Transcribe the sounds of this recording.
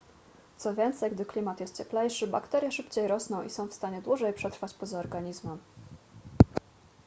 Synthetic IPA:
t̪sɔvʲjɛnt̪sɛjɡd̪ɘklʲimat̪jɛst̪t͡ɕɛplɛjʂɘba̰kt̪ɛɾʲjɛʂɘpt͡ɕejɾɔsnɔ̃w̃ʔḭsɔ̃w̃fst̪aɲɛd̪wuʐɛjpʂɛt̪ɾfat͡ɕpɔzaɔɾɡaɲizmɛm

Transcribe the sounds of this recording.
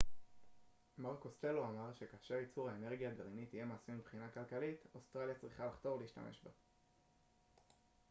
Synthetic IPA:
maʁkoste̞loamaʁʃe̞kaːʃeʁit͡suʁhaene̞ʁɡijadeʁinitije̞maːsimːibχinakalkalitost̪ʁaljat͡sʁiχalaχt̪o̞vleiʃta̰mʔe̞̰ʃba

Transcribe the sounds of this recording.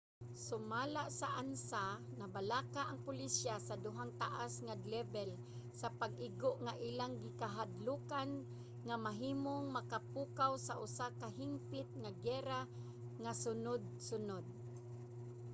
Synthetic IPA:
sʊmalaʔsaʔansa | nabalakaʔaŋpʊlisjasad̪ʊɦaŋt̪aʔasŋad̪lɛbɛl | sapaɡ̚ʔɪɡoʔŋaʔiːlaŋɡɪkaɦad̪lukan | ŋamaɦiːmoŋmakapukawsaʔʊsakaɦɪmpɪt̪̚ŋaɡɛɾa | ŋasʊnʊd̪̚sʊnod̪̚

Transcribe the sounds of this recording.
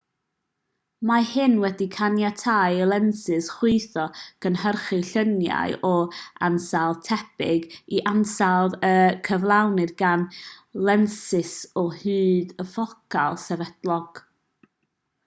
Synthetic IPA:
mahɪnwɛdikʰanjatʰajəlˠɛnsɨsχwɪɨθɔɡ̥ənhərχɨɬənja̰ɨʔɔansalˠtʰɛbɪɡiʔansalˠðəkʰəvlˠawnɨðɡanlˠɛnsɪsɔhɨːðəfɔkʰalˠsɛvɛd̥lˠɔɡ̥

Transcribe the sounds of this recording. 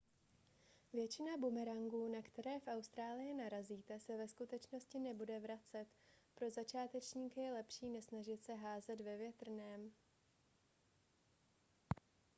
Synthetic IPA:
vjɛt͡ʃɪnabumɛɾaŋɡuːnakt̪ɛɾɛːfʔawst̪ɾaːlɪjɪnaɾaziːt̪ɛsɛvɛskut̪ɛt͡ʃno̞scɪnɛbudɛvɾat͡sɛt̪pɾo̞zat͡ʃaːt̪ɛt͡ʃɲiːkjɛlɛpʃiːnɛsnaʒɪt̪sɛɦaːzɛd̪vɛvjɛt̪r̩nɛːm

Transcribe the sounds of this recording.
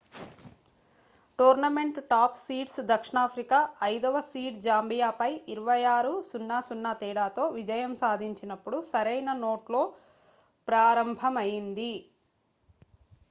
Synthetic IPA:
ʈuːɾnɐme̞ɳʈʈaːpsiːʈsd̪ɐkʂɳaːpʰɾikaːʔɐjd̪ɐʋɐsiːʈd͡ʒaːmbijaːpɐjiɾuʋɐjaːɾusunːaːsunːaːt̪ɛːɽaːt̪o̞ːʋid͡ʒɐjɐmsaːd̪ʱiɲt͡ʃinɐpːuɽusɐɾɐjnɐno̞ːʈlo̞ː | pɾaːɾɐmbʱɐmɐjind̪i

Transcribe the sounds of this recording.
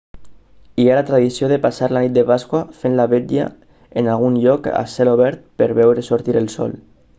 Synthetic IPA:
ialat̪ɾaðisjoðepasaɾlanit̪̚d̪epaskwafenlaβed̪ia̰ | enalɣunʎɔka̰seɾoβɛɾt̪̚peɾβɛwɾesoɾt̪iɾelˠsɔ̰l

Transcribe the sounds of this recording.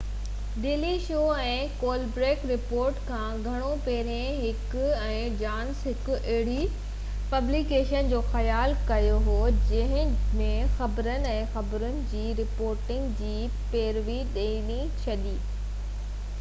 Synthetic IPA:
ɗeːliʃoːɛ̃ːkoːlbɾeːkɾɪpoːɾʈkʰãːɡʱɐɽ̃opɛːɾẽɦɪk | ɛ̃ːd͡ʑaːnsɦɪkʊ̆ʔɐɦɪɽi | pɐblikeːʃənd͡ʑoːxɐjaːlkɐjoɦoːd͡ʑɐ̃ɦɪ̃mẽxɐbɾənɪ̆ɛ̃ːxɐbɾənɪ̆d͡ʑiːɾɪpoːɾʈɪ̃ŋɡd͡ʑiː | peːɾʋiɗeːni | t͡ɕʰɐɗiː

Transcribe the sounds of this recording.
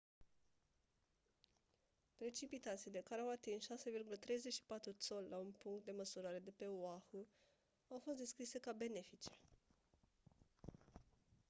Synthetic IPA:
pɾe̞t͡ʃipit̪at̪sile̞kaɾeawat̪insʃase̞virɡulət̪ɾe̞jze̞t͡ʃʃi̥pat̪ɾut̪so̞llaunpuŋkt̪̚d̪e̞məsuɾaɾe̞d̪e̞pe̞oaxu | awfost̪d̪e̞skɾise̞kabe̞ne̞fit͡ʃe̥

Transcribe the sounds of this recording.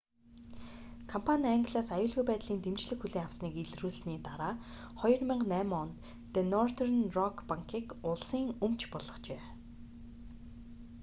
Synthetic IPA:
kʰampʰanʲiaːŋɡ̆ʲɮaːsajʊːɮɣujpæːt̪ɮiːnt̪emt͡ɕɮɘ̆xxuɮeːŋawsniːkeɮruːsniːt̪aɾaː | χɔjɞ̆rmɪ̆ɴɢnæːmɔnt̪ː | enɔrt̪ernrɔkʰpaŋkʰiːkʊɮsiːŋɵmt͡ɕʰpɔɮɞ̆χt͡ɕeː

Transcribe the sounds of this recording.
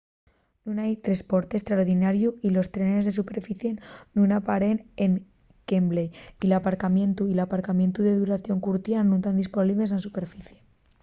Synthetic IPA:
nunajt̪ɾe̞spo̞ɾt̪e̞st̪ɾaoɾðinaɾjuilo̞st̪ɾenezðe̞supe̞ɾfiθje̞nnunapaɾe̞neŋ | kembleilapaɾkamjẽ̞nt̪uilapaɾkamjẽ̞nt̪uðeðuɾaθjo̞ŋkuɾt̪janũt̪and̪ispoliβlesensupe̞ɾfiθje̞

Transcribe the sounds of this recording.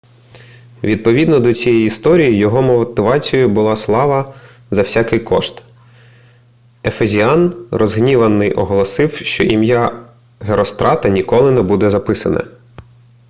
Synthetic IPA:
ʋʲid̪̚pɔʋʲid̪nɔd̪ɔt͡sʲijɛjist̪ɔɾʲijijɔɦɔmɔt̪ɪʋɑt͡sʲijʊbʊlˠɑslˠɑʋɐ | zɐwsʲakɪjkɔʃt̪ | efezʲiɑnrɔzɦnʲiʋɐnːɪjʔɔɦɔlˠɔsɪwʃt͡ʃɔʔimja | ɦeɾɔst̪ɾʔɑt̪ɐnʲikɔlˠɪnɛbud̪ɛzɐpɪsɐnɐ̰

